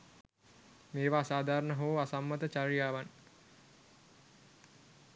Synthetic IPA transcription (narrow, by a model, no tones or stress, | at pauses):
meːʋaːsaːd̪ʱaːɾəɳəɦooasamːət̪ət͡ʃaɾijaːʋan